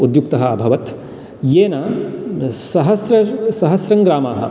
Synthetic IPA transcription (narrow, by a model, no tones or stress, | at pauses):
ud̪jukt̪ɐɦɐɐbʱɐʋɐt̪ | jeːnɐ | sɐɦɐsɾɐsɐɦɐsɾɐŋɡɾaːmaːɦɐ̰